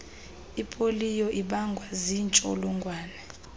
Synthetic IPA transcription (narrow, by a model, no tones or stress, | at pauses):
ipʼolijɔʔiɓaŋɡʱwazint͡ʃʼo̰luŋɡʱwaːnɛ